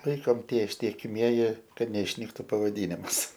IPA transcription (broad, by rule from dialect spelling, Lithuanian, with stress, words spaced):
ˈlˠɐɪkoːm ˈtʲiɛ ɪʃʲtʲiɛkʲɪˈmʲiɛjɪ ˈkɐt nʲɛɪʃʲˈnʲiːktʊ pɐʋɐˈdʲiːnʲɪms